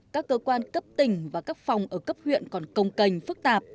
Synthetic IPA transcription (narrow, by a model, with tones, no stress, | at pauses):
kaː˦˥kːəː˧kwaː˧nkə˦˥p̚t̪ï˨˩ŋ̟vaː˨˩kaː˦˥k̚fa˨˩wŋ͡mʔəː˧˩kə˦˥p̚hwḭ˧˨ənkɔ˨˩nkə˧wŋ͡mkə˨˩jŋ̟fɨ˦˥k̚t̪aː˨˩p̚